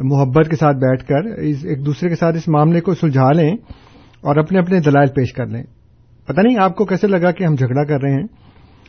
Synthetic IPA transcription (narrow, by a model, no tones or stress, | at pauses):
mʊɦəbːət̪kesaːt̪̚ʰbɛːʈʰkɐɾɪseːk̚d̪uːsɾekesaːt̪ɪsmaːmlekosʊld͡ʒʱaːlẽː | ɔːɾɐpneɐpned̪ɐlaːɪlpeːʃkɐɾlḛ̃ː | pɐt̪anɐɦĩaːp̚kokɛːselɐɡakeɦɐmd͡ʒʱɐɡɽakɐɾːɐɦeɦɛ̃ː